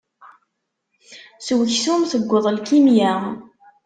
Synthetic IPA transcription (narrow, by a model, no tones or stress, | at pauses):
swəçsumθəɡʷːəðˤlkimjæ